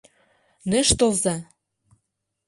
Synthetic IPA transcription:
neʃt̪olzɑ

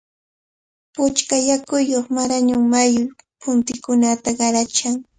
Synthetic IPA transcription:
pʊt͡ʃkajakʊjːoχmaɾaɲʊŋmajʊɾ | pʊnt̪ɪkʊnat̪aɢɑɾat͡ʃaŋ

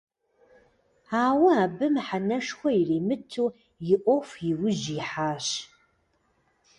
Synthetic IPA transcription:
aːwɐaːbɨmħanɐʂxʷɔiriːmɨtʰːuː | jɪʔʷɔfʷjɪwʊʒiħaːɕ

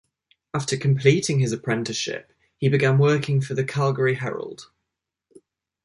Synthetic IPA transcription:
aftəkʰə̃mpʰl̥iˑtɪ̃ŋɪzəpʰɹ̥ɛ̃ntɪʃɪ̰p̚ | hibɪɡãnwɜˑkʰɪ̃ŋfəðəkʰalˠɡəɹiɦɛ̰ɹə̰lˠd̥

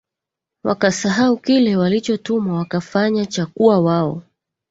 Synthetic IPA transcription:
wa̰kasaɦaukilɛwalit͡ʃɔtumawakafaɲat͡ʃakuawaɔ̰

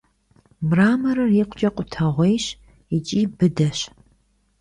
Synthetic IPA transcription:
mraːmɐɾɨriqʷʊt͡ʃʼɐqʷʼʊtʰɐʁʷejɕ | it͡ʃʼiːbɨdɐɕ

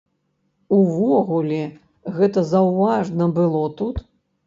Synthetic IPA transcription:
uvɔɣulʲɛ | ɣɛt̪ɐzawvaʐnɐbɨlˠɔt̪ut̪

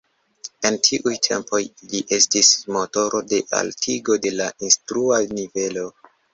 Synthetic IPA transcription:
e̞ntʰiʔujtʰe̞̰mpo̞jliʔe̞stismo̞to̞ɾʔo̞de̞ʔa̰ltʰiɡo̞de̞laʔinstɾuanive̞lo̞

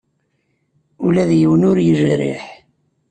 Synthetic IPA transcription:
ulæðjəwənʊɾjəʒɾɪ̰ħ

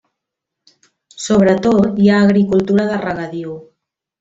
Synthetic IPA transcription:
soβɾət̪ot̪jaːɣɾikulˠt̪uɾaðərəɣaðiu

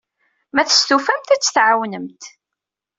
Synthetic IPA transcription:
mæθə̥st̪ufæmt̪æt͡sːθʕawnəmt̪

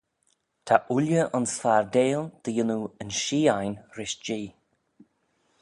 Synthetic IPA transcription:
t̪ʰaʔʊljəʔɔnsfaɹd̪eːlˠd̪̥əjɪnuənʃiːajnɾɪʃd͡ʒiː

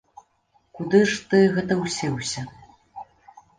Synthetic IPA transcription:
kud̪ɨʂt̪ɨɣɛt̪̬ɐwsʲɛwsʲɐ

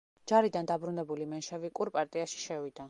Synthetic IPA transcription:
d͡ʒaɾid̪and̪abɾunɛbulimɛnʃɛvikʼuɾpʼaɾt̪ʼiaʃi̥ʃɛvid̪a

